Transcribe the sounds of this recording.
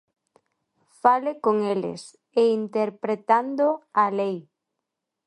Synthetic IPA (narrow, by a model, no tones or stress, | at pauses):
falɪkoŋelɪ̰s | eint̪eɾpɾet̪and̪oalej